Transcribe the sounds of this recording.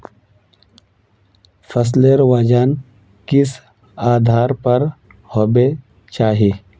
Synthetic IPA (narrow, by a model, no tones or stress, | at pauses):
fʰɐs̬leɾwaːd͡ʒaːn | kɪs | aːd̪ʱaːɾpɐɾ | hobe | t͡ʃaːɦi